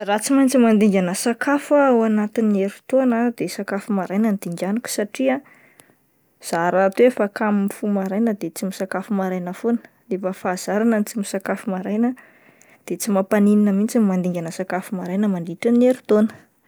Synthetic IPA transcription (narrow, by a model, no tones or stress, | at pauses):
rat͡simajnt͡simand̪iŋɡʲanəsakʰafawanat̪ineɾut̪onəd̪esakafumaɾajnənd̪̥iŋɡʲanikʲu̥saʈ͡ʂia | z̥aɾat̪efakamimifumaɾajnəd̪et͡simisakafumaɾajnəfonə̥ | nefəfaːz̥aɾanənit͡simisakafumaɾajnə | d̪̥et͡simapanininəmint͡simmand̪iŋɡʲanəsakafumaɾajnəmanɖ͡ʐiʈ͡ʂaneɾu̥t̪onə̥